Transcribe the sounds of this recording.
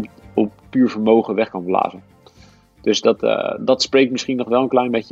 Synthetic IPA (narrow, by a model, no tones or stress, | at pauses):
ɔppyːɹvəɹmowχəʋɛχkɑnbla̰ːzən | d̥ɵsdɑtdɑtsprejk̚tmɪsχinɔχʋɛlˠənklɛjnmɛcə